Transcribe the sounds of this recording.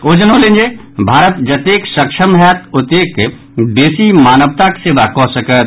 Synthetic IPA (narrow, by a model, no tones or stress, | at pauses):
oːd͡ʒənõlẽnd͡ʒe | bʱaːɾət̪d͡ʒɐt̪eːkʃəkʃʰəmɦɛt̪ʊt̪eːk | b̪eːsimaːnəʋt̪akseːbakɔ̃səkət̪